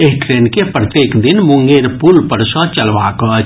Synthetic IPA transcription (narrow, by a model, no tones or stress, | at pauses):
eɦʈɾeːnkepɾət̪jeːkd̪ɪnmʊ̃ŋɡeːɾpuːlpəɾsə̃t͡ʃəlʋaːkə